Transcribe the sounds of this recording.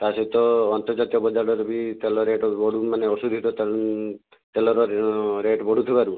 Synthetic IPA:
t̪asɔt̪ɔːnt̪ɔɾd͡ʒat̪ijɔbɔd͡ʒaɽɔɾubit̪elɔɾeʈɔbɔɽ̤umaneɔsud̪ʱit̪ɔt̪ | t̪elɔɾɔɾeʈbɔɽ̤ut̪ʰibaɾu

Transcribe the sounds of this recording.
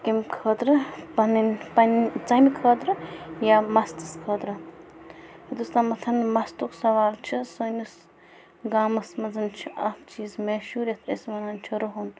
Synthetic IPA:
kimkʰəːt̪ɾɨpɐninpɐnt͡sɐmikʰəːt̪ɾɨjamɐst̪ɨskʰəːt̪ɾɨ | ɐd̪ust̪amɐt̪ʰɐnmɐst̪uksɐʋaːlt͡ʃʰisonus | ɡaːmɐsmɐd͡zɐnt͡ʃʰiʔɐft͡ʃiːzmeːʃuːɾʲɐt̪ʰesmɐnant͡ʃʰiɾuɦun

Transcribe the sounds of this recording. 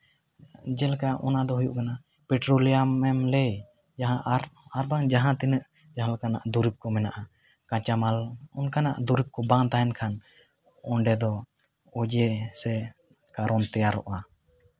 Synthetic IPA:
d͡ʒɛlkaʔɔnad̪ɔɦujṵʔkana | pɛʈɾoliamːɛmlɛj | d͡ʒaɦãʔɾaɾbaŋd͡ʒaɦãt̪inəʔ | d͡ʒaɦalkana̰ʔd̪uɾip̚kɔmɛnaʔa | kãt͡ʃamalɔnkana̰ʔd̪uɾip̚kɔbaŋt̪aɛnkʰan | ɔɳɖɛd̪ɔ | ɔd͡ʒɛsɛ | kaɾɔnt̪ɛjaɾɔ̰ʔa

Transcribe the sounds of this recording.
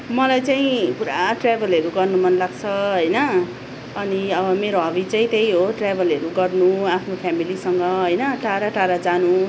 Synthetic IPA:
mʌlajt͡saĩkuɾaʈrabʱʌlʌɾuɡʌrnumʌnlaɡt͡sʰʌɦʌjnʌː | niʌbʌmeɾoɦaβit͡sãĩt̪ej̃ɦoʈrabʱʌlɦʌɾuɡʌrnuapʰnopʰjamilisʌŋɡʌɦʌjnʌʈaɾaʈaɾad͡zanu

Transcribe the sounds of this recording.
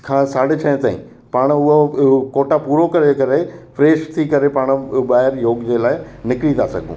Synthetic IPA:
kʰãːsaːɽ̤ɪt͡ɕʰɐ̃ɪ̃t̪aːḭ̃ | paːɽ̃ʊɦokoːʈapuːɾokɐɾekɐɾefɾeːʃt̪ʰikɐɾepaːɽ̃̆ɓaːɦɪɾjoːɡd͡ʑelaːɪ | nɪkɪɽit̪ʰa̰sɐ̰ɡʱṵ̃ː

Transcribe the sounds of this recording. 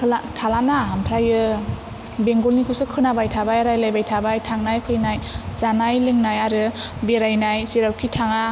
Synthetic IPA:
kʰlatʰalanaɦamtʰajɯ | beŋɡolnikʰusɯkʰɯnabajtʰabajaɾajlajbajtʰabajtʰaŋnajpʰɯjnajzanajlɯŋnajaɾɯbeɾajnajsiɾawkʰitʰaŋa

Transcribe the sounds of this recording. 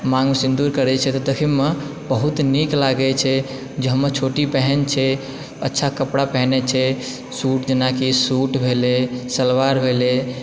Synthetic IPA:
maŋsĩnd̪uɾkəɾɛt͡ʃʰɛt̪ɔd̪ekʰimme | bəɦut̪niklaɡɛt͡ʃʰɛ | d͡ʒeɦəmːəɾt͡ʃʰoʈipɛɦɛnt͡ʃʰɛ | ətːʃʰakəpɽapɛɦnɛt͡ʃʰɛ | suʈd͡ʒenakisuʈbʱelesəlʋaɾbʱele

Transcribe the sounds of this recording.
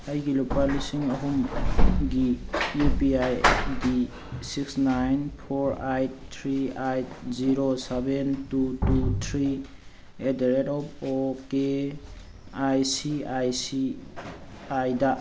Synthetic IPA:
ajɡilopalisiŋaɦumɡiepiajdi | siksnajnpʰɔɾajt̚tʰɾiajt̚ziɾosebentututʰɾi | edeɾetɔpɔke | ajsiajsi | ajda

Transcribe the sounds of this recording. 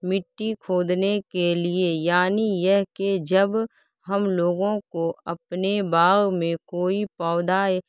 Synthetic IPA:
mɪʈːikʰoːd̪nekeliejaːnijɛɦked͡ʒəb | ɦɐmloːɡõkoɐpnebaːɣmẽkoːipɔːd̪aːe

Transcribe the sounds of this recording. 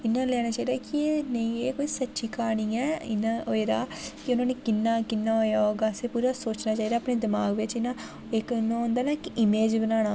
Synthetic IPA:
ɪnːãːlɛːɽ̃aːt͡ʃaːiːd̪aːkɪeːnəĩeːkoːiːsətːʃiːkaːɽiːɛːɪ̰naoeːɾaːkɪʊnãːneːkɪnːaːkɪnːaːɦoːjaːɦoːɡaːseːpuːɾaːsoːt͡ʃnãːt͡ʃaːiːd̪aːəpneːd̪ɪmaːɡʋɪt͡ʃɪnːãː | ɪknãõːnd̪aːnakɪʔɪmeːd͡ʒbənaːɽaː

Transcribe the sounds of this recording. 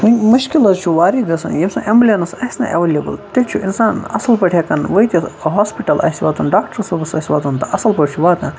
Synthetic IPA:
ɦunʲmɐʃkilɐzt͡ʃʰuʋaːɾiɡɐsɐ̰njimʲsɐ̃ʔemblʲɐnɐsɐsʲnɐ̰ʔɐʋɐlʲebɨ̰lt̪it͡ʃʰuʔinsaːnɐ̰sɐlpɐʈʰekɐnʋɐit̪ʲiɦaːspiʈɐlɐ̰sʲiʋa̰ːt̪unɖaːk̚ʈɐɾsɐbɐsɐsʲʋaːt̪unt̪ɐʔɐsɐlpɐʈʰʲt͡ʃʰuʋaːt̪ɐ̃n

